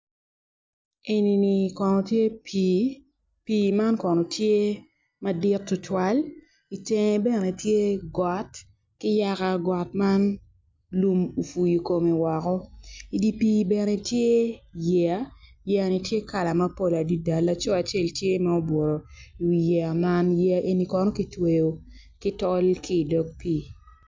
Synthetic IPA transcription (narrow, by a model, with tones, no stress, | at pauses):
e˨ni˨ni˨kɔ˨nɔ˨tje˦pi | piː˨ma˦nkɔ˨nɔ˨tʰje˦ | ma˦dɪ˦tːʊ˨tʰwa˦l | i˨tɛ˨ŋ˨bɛ˦ne˨tje˦ɡɔ˨t | kɪ˦ja˦kaɡɔ˨t̚ma˦n | lu˦mu˨fu˨ji˨ko˨me˨wɔ˨kɔ˦i˨di˦pi˦bɛ˨ne˨tje˦jɛ˨a˦jɛ˦a˨ni˨tje˦ka˨la˨ma˦po˦la˨di˦da˨lːa˦t͡ʃɔ˦a˨t͡ʃe˦˨ltje˦ma˦o˦bwo˨ɾo˨i˨wi˨jɛ˨a˨ma˦njɛ˦a˦ʔe˦ni˨kɔ˦nɔ˦ki˦twe˨jo˨ | kɪ˦tɔ˦lki˦˨dɔ˦k̚piː˦